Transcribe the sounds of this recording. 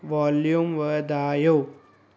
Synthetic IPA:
ʋaljumʋəd̪aːjo

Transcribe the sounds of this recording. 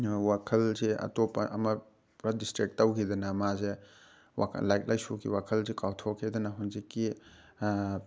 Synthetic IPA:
wakʰɐlzeɐ̰topɐʔɐ̰mɐ | ɾɐdistɾik̚tːawkʰidɐnɐmaze | wa̰lajt̚lʔajsukḭwakʰɐlzekawtʰokʰːidɐnɐɦunzikːi

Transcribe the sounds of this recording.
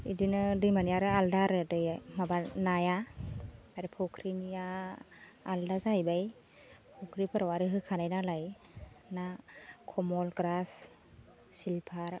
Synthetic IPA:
idinɯdɯjmanijaɾɯaldaɾɯdɯjmabanaja | aɾɯpʰɔkʰɾinijaː | ldazajbaj | pʰɔkʰɾipʰɯɾawaɾɯɦɯkʰanajnalaj | nakʰɔmɔlɡɾas | silpʰaɾ

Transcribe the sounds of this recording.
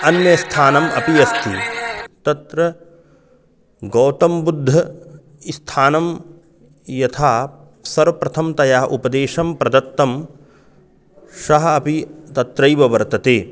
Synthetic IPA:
ɐnjɐst̪ʰaːnɐmɐ̰piɐst̪ʰit̪ɐt̪ɾɐ | ɡɐːt̪ɐmbud̪ʱːɐ | st̪ʰaːnɐm | jɐt̪ʰaː | sɐɾʋɐpɾɐt̪ʰɐmt̪ɐjaːɐʔupɐd̪eːʃɐmpɾɐd̪ɐt̪ːɐm | ʃɐɦɐɐpit̪ɐt̪ɾɐjʋɐʋɐɾt̪ɐt̪eː

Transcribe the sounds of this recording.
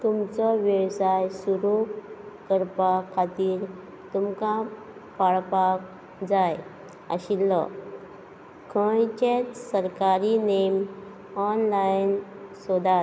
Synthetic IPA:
t̪umt͡sɔʋeʋsajsuɾukəɾpakʰat̪iːɾ | t̪umka | paɭpak | d͡zaj | ə̰ɕilːɔ̰ | kʰəjt͡ɕet͡ssəɾkaɾinem | ɔnlajin | sɔd̪a

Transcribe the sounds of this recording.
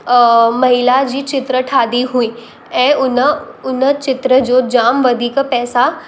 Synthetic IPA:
mɐɦɪlad͡ʑiːt͡ʃɪt̪ɾəʈʰaːd̪iɦuiː | ɛ̃ːʊnəʊnət͡ʃɪt̪ɾəd͡ʒod͡ʒaːmʋəd̪ʱikpɛːsa

